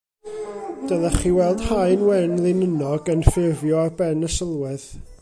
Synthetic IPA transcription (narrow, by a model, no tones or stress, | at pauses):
d̥əðaχiːwɛlˠd̥hajnwɛnlˠɪnənɔɡənfɪrvjɔarbɛnəsəlˠwɪð